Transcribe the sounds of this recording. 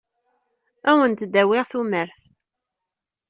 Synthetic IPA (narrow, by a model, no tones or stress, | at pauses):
æwənt̪d̪æwɪʁθuməɾθ